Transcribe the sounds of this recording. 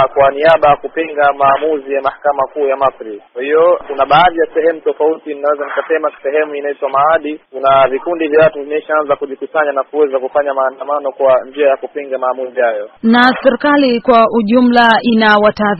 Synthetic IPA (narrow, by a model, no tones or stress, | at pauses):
kwaniaɓajakupiŋɡamaːmuzijamahakamakuːjamasɾikwahijɔkunaɓaːðijasɛhɛmutɔfautininawɛzanikasɛmasɛɦɛmuinaitwamaaɗikunavikundivjawatuvimɛiʃaanzakuʄikusaɲanakuɛzakufaɲamaːndamanɔkwaɲd͡ʒiajakupiŋɡamaːmuzihajɔnasɛɾikalikwaʔuʄum̩lainawataːð